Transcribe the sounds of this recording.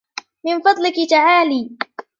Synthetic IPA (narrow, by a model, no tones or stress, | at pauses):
mɪnfɑd̪ˤlɪkɪt̪aʕaːliː